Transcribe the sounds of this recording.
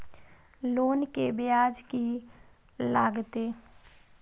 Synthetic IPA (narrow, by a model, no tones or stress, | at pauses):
loːnkebɪjaːd͡ʒki | laːɡt̪eː